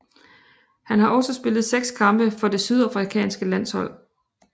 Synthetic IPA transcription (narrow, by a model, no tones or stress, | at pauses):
hænɦɑ̈ʔɒ̽səsb̥e̝lð̩ˠseɡ̥skʰɑ̈mb̥əfɒ̽d̥e̝syð̞ˠɑ̈fʁikʰɛ̰ːnsɡ̥əlæn̰shɒ̽l̰